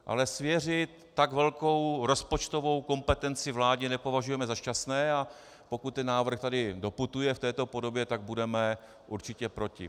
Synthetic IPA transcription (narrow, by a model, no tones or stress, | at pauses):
ʔa̰lɛsvjɛrɪt̪ːaɡvɛlko̞wɾo̞spot͡ʃt̪o̞vo̞wko̞mpɛt̪ɛnt͡sɪvlaːɟɛnɛpo̞vaʒujɛmɛzaʃcast̪nɛːa | po̞kut̪t̪ːɛnːaːvr̩xt̪adɪdo̞put̪ujɛft̪ɛːt̪o̞po̞do̞bjɛt̪aɡ̚budɛmɛ | ʔuɾt͡ʃɪcɛpɾo̞cɪ̰